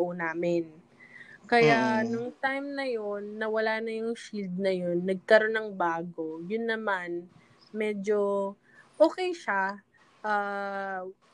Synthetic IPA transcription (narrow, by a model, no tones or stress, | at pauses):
ʔonaːmɪn | kɐjanʊŋt̪ajmnɐjonːɐwɐlaːnɐjʊŋʃild̪̚nɐjo̞nːɐɡ̚kɐɾo̞nɐŋbaːɡo̞jʊnːɐman | mɛːd͡ʒo̞ | ʔoːkɛjʃa | ʔaː